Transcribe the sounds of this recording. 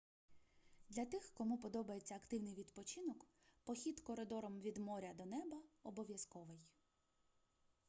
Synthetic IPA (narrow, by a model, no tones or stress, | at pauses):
d̪lʲɐt̪ɪxkɔmupɔd̪ɔbɐjet͡sʲːɐːkt̪ɪwnɪjʋʲid̪pɔt͡ʃɪnɔk | pɔxʲit̪kɔɾed̪ɔɾɔmʋʲid̪mɔɾʲɐd̪ɔnɛbɐɔbɔʋʲjɐskɔʋɪj